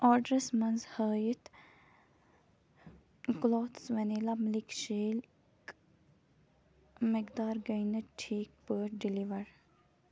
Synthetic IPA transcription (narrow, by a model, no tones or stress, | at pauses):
aːɖɾesmɐnzhəːjit̪ | kloːt̪sʋɐnilamlikʃeːl | k | mekd̪aːɾɡɐjnəʈʰiːk̚pəɖiliʋɐɾ